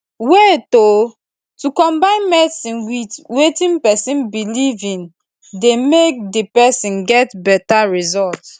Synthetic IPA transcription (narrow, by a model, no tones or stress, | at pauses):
wɛto | tukɔ̃mbãɪ̃nmɛsĩnwitwetĩnpɛsĩnbilivĩn | demek̚depɛsĩnɡɛtbɛtaɹizɔlt